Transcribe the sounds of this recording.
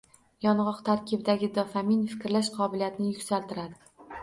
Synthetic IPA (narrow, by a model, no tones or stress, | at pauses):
jɒnʁɒqt̪ʰaɾkʲʰɪbd̪aɡʲɪd̪ɒfaminfɪ̥kʲɾlaʃqʰɒbɪlijat̪nɪjʊkʲsalt̪ʰɪɾad̪ɪ